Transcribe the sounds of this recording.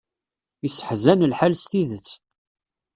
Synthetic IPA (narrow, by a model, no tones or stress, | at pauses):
isːə̥ħzænəlħalst̪iðət͡sː